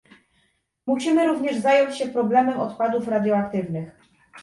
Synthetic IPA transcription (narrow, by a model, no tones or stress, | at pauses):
muɕimɘɾuvɲɛʐzajɔɲt͡ɕɕɛpɾɔblɛmɛmɔt̪pwad̪ufɾad̪ʲjɔakt̪ɘvnɘx